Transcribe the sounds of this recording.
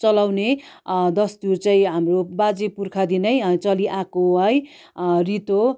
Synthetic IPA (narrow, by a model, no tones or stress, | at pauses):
t͡sʌlawned̪ʌst̪urt͡sʌĩɦamrobad͡zepurkʰad̪inʌjɦʌt͡sʌliʔakoɦʌj | rit̪o